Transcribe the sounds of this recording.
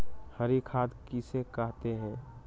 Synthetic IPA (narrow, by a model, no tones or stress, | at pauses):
həɾikʰaːd̪kisekɐɦt̪eɦɛ̃ː